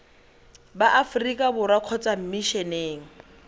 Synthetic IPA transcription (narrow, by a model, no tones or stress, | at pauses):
baʔafrikʼabʊɾaq͡χʰɔt͡sʼam̩miʃɛneːŋ̩